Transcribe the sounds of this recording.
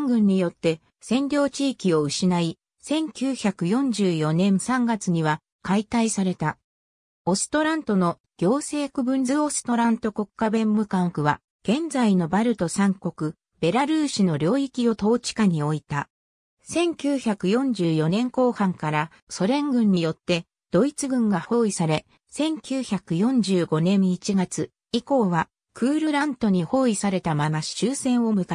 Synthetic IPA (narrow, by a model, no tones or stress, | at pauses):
ŋɡɯ̟̃ɲ̟ːijo̞t̪ːe̞ | sẽ̞ɲdʲo̞ːt͡ɕiːkʲio̞ɯ̟ɕinai | sẽ̞ŋkʲɨːçakɯ̟jõ̞ɲ̟d͡ʑɨːjo̞nẽ̞ɰ̃sãŋɡat͡sɨɲ̟iβa | kait̪aisaɾe̞t̪a | o̞sɨ̥t̪o̞ɾãnt̪o̞no̞ | ɡ̥ʲo̞ːse̞ːkɯ̟bɯ̟̃ɲzɨo̞sɨ̥t̪o̞ɾãnt̪o̞ko̞kːabẽ̞mbɯ̟kãkɯ̟βa | ɡ̥ẽ̞nd͡zaino̞baɾɯ̟t̪o̞sãŋko̞kɯ̟ | be̞ɾaɾɯ̟ːɕino̞ɾʲo̞ːikʲio̞t̪o̞ːt͡ɕi̥kaɲ̟io̞it̪a | sẽ̞ŋkʲɨːçakɯ̟jõ̞ɲ̟d͡ʑɨːjo̞nẽ̞ŋko̞ːhãŋkaɾa | so̞ɾẽ̞ŋɡɯ̟̃ɲ̟ːijo̞t̪ːe̞ | d̪̥o̞it͡sɨɡɯ̟̃ŋɡaho̞ːisaɾe̞ | sẽ̞ŋkʲɨːçakɯ̟jõ̞ɲ̟d͡ʑɨːɡo̞nẽ̞ɰit͡ɕiɡat͡sɨ | iko̞ːβa | kʰɯ̟ːɾɯ̟ɾãnt̪o̞ɲ̟iho̞ːisaɾe̞t̪amamaɕi̥ɕɨːsẽ̞ɰ̃o̞mɯ̟ka